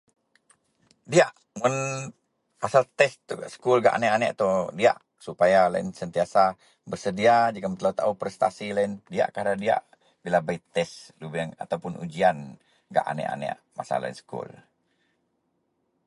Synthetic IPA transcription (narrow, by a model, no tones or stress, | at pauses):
diaʔ | mun | asalt̪ɛst̪usə̥kulɡa̰ʔanɛʔanɛʔat̪ɔdia̰ʔ | supajalaɪnsənt̪iasa | bərsədiad͡ʒakamt̪laut̪aupɾɛst̪a̰silaɪndia̰ʔkadadia̰ʔ | bilabait̪ɛslubŋa̰t̪awpʊnʔṵd͡ʒian | ɡa̰ʔa̰nɛ̰ʔa̰nɛ̰ʔ | ma̰sa̰la̰ḭnsə̥kṵl